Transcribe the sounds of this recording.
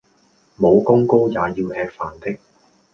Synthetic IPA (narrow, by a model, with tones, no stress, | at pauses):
mo˨˧wkʊ˥ŋko˥wjaː˨˧jiː˧whɛː˨˧k̚faː˨˩nt̪ɪ˥k̚